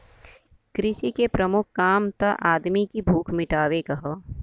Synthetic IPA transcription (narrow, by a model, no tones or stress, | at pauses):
kɾɪʃikepɾɐmʊkʰːaːmt̪ɐʔaːd̪mikibʱuːkʰmɪʈaːʋekɐɦɐ